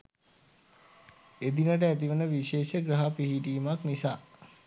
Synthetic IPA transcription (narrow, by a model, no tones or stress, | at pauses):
ed̪inəʈ̬əæt̪̬iʋənəʋiʃeːʃəɡɾəɦapiɦiʈiːmaknisaː